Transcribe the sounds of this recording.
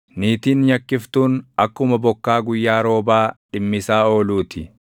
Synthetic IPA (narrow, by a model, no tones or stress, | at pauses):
niːt̪iːnɲɐkːɪft̪uːnɐkːʊmɐbɔkːaːɡʊjːaːɾo̞ːbaːᶑɪmːɪsaːo̞ːluːt̪ɪ